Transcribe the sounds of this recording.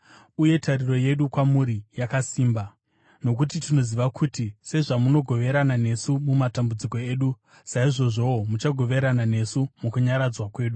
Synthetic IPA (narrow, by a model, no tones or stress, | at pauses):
uje̞tʰaɾiro̞je̞ɗukwamuɾijakasiːmba | no̞k̬ut̬itino̞ziʋakʰutise̞ʐamuno̞ɡʱo̞ʋe̞ɾanane̞sumumatambud͡ziko̞e̞ːɗu | saiʐo̞ʐo̞omut͡ʃaɡʱo̞ʋe̞ɾanane̞sumukuɲaɾad͡zwakwe̞ːɗu